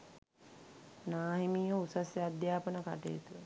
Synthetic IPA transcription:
naːɦimiːʋəusasjad̪jaːpənəka̰ʈḛːt̪u

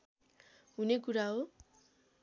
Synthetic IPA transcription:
ɦunekuɾaɦo

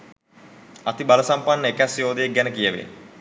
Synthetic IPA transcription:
at̪ibaləsampanːəekæsjoːd̪ejeɡɛnəkijəʋḛ

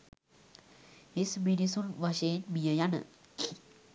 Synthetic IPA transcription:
isminisunʋaɕeːnmijəjanə̰

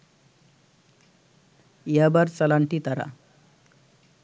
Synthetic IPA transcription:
jabaɾt͡səlaɳʈiːt̪aɾa̰

